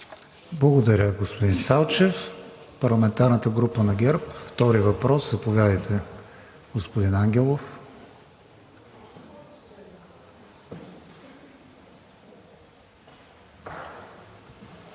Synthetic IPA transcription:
blˠɐɡod̪ɐɾʲəɡospod̪insalˠt͡ʃɛf | pɐɾlˠɐmɛnt̪aɾnət̪əɡɾupənɐɡʲɛɾpft̪ɔɾiəvɐpɾɔszɐpovʲjad̪əjt̪ʰɛ | ɡospod̪inaŋɡʲɛlˠof

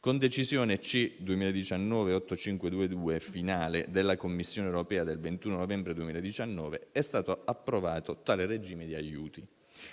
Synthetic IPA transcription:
kond̪et͡ʃizjoːnet͡ʃid̪uemiːlaed̪it͡ʃanːɔːveɔt̪ːot͡ʃiŋkwed̪uːed̪uːefinaːled̪elːakomːisːjoːnewɾopɛːad̪elvent̪uːnonovɛmbɾed̪uemiːlad̪it͡ʃanːɔːveɛst̪aːt̪oapːɾovaːt̪ot̪aːlered͡ʒiːmed̪iajːuːt̪i

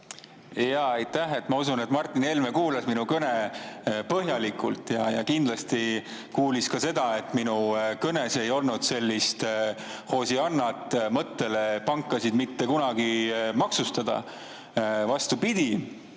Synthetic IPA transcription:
jɑɑjt̪ːæɦe̞t̪ːˑmɑusunet̪mɑrt̪ːˑinelmekuːlɑsminukɤnepɤɦjɑlikˑult̪ːˑjɑjɑ̰kind̪lɑst̪i | kuːliskɑse̞d̪̥ɑe̞t̪ːˑminukɤne̞se̞jo̞lnud̪̥se̞lʲːist̪ | ho̞ːsiɑnːɑt̪ˑmɤt̪ːe̞le̞pɑŋkːˑɑsid̪mit̪ːe̞kunɑɡ̥imɑksust̪ɑd̪̥ɑ̰ | vɑst̪upid̪̥i

